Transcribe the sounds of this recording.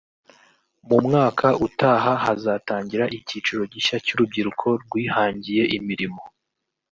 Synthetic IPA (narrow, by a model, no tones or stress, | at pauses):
mumŋaːkʰaʔutaːɦahazataːɲɟiɾaʔiciːt͡ʃuɾo̞ɟiʃacuɾub̚ɟiɾukʰo̞ɾɡwiːhaːɲɟije̞ʔimiɾimo